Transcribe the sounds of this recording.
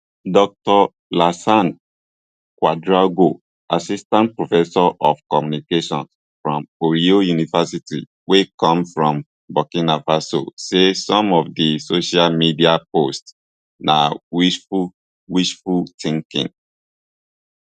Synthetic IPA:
dɔk̚tɔ | lasãn | kwadɹaɡo | asistãnt̚pɹofɛsɔʔɔfkɔmjunikeʃɔ̃ns | fɹɔ̃moɹiojunivasitḭ | wekɔ̃mfɹɔ̃m | bɔkĩnafaso̰sesɔ̃mɔvdisoʃalmidiapost | nawifu | wiʃfultĩŋkḭ̃ŋ

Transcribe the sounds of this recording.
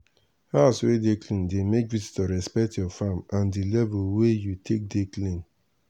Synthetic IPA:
haswedeklĩndemek̚vizi̥tɔɹɛspɛk̚tjɔfamãndilɛvulwejutʰek̚deklĩn

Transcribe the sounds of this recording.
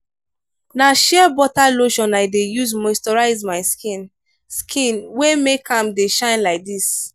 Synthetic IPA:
naʃɛbɔtaloʃɔ̃naɪdejuzmɔstɔɹaɪzmaɪskĩn | skʰĩnwemekʰãmdeʃãɪ̃nlaɪk̚dis

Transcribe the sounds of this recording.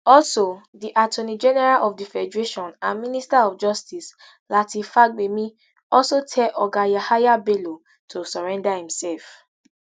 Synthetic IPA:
ɔlso | diʔatʰonid͡ʒɛnɛɹalʔɔfdifɛdɹeʃɔ̃nãnmĩnistaɔfd͡ʒɔstis | latifaɡ͡bemĩ | ɔsotʰɛʔɔɡajahajabelo | tʰosɔɹɛ̃ndahĩmsɛlf

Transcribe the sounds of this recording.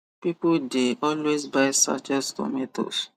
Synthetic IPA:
pipodeɔlwesbaɪsa̰t͡ʃɛstɔ̰meto̰s

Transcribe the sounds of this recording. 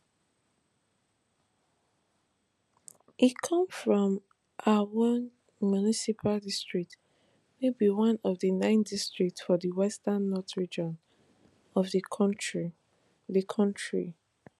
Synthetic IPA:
ʔikʰʌ̃mfɹɔ̃m | ʔawɔ̃n | munisipʰaldistɹ̥ik̚t | mebiwʌ̃nɔvðənãɪ̃ndistɹ̥ik̚tfɔðəwɛstãnːɔtɹid͡ʒɔ̃n | ɔvðəkʰɔ̃nt͡ʃɹi | ðəkʰɔ̃ntɹḭ

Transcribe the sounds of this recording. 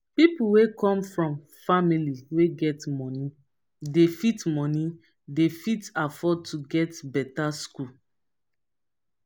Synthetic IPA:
pipuwekɔ̃mfɹɔ̃m | familiweɡɛtmɔni | defitmɔ̃ni | defitafɔd̚tʰuɡɛtbɛtasku

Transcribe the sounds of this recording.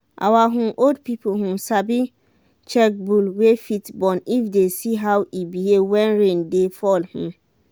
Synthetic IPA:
ʔa̰waɦũʔoldpipʰoɦũsabi | t͡ʃɛk̚bulwefitbɔ̃nifdesiɦawibihevwɛ̃nɹẽndefɔlhũ

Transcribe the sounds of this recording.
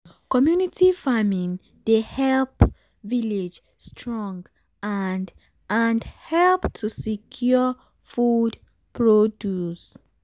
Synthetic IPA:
kɔmjunitʰifamĩn | dehɛlp | viled͡ʒ | stʰɹɔ̃ŋɡ | and | ʔãnhɛlptʰusikʰju | fud | pʰɹodjus

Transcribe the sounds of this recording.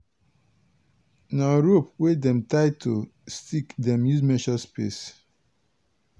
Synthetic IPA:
naɹopwedɛ̃mtaɪtʰostikdɛ̃mjuzmɛʃɔspḛs

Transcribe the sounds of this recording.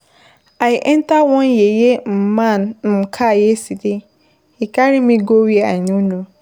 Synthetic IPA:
ajʔɛ̃ntawɔ̃njejem̩mãnm̩kʰajɛsidɪ | ikaɾɪmĩɡowea̰ɲĩnũ

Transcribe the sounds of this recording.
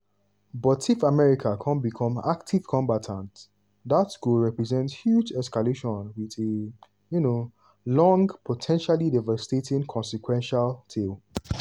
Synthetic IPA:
bɔtʰifamɛɹikʰakʰãnbikʰɔ̃mak̚tʰiv̥kʰɔ̃mbatʰãnt | ðatskulɹɛpɹɛzɛ̃ntshjud͡ʒɛskaleʃɔ̃nwiðe | juno | lɔ̃ŋɡpʰotʰɛ̃nʃalidɛvastetĩnkʰɔ̃nsikwɛ̃nʃaltʰel

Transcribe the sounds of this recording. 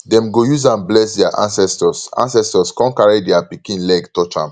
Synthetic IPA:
dɛ̃mɡojuzãnblɛsdɛaʔã̰nsɛstɔsã̰nsɛstɔskɔ̃nkaɹidɛapikĩnlɛɡtɔt͡ʃã̰m

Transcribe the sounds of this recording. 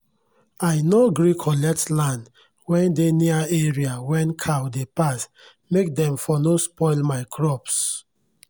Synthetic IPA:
aɪnoɡɹikʰɔlɛk̚tlãnd | wɛ̃ndeniaeɹiawɛ̃nkʰawdepas | mek̚dɛ̃mfɔnospɔɪlmaɪkʰɹɔps

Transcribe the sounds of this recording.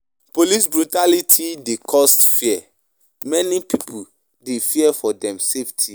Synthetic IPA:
polis̬bɹutalitʰidekʰɔstfiɛ | mɛnipipʰu | defiɛfɔdɛ̃mseftʰi

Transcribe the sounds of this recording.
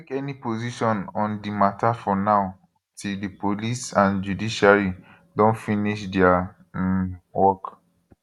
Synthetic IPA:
ekɛnipoziʃɔ̃nɔ̃ndimatʰafɔnaʊ | tildipʰolisãnd͡ʒudiʃaɹi | dɔ̃nfiniʃdɛa | wɔk

